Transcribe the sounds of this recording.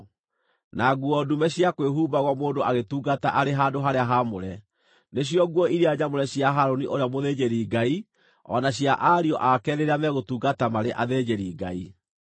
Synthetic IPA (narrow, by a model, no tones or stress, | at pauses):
naɡuɔdumɛɕjakweɦuːbaɣwɔmoːndoaɣetuːɡataʔaɾeɦaːndoɦaɾeaɦamoɾɛ | neɕ̬ijɔɣwɔiɾiaɲamoɾɛɕjaɦaɾoniʔoɾeamoðed͡ʑeɾiɡai | ɔ̰naɕjaʔaɾiɔʔakɛːɾeɾamɛɣotuːɡatamaɾeʔaðed͡ʑeɾiːɡai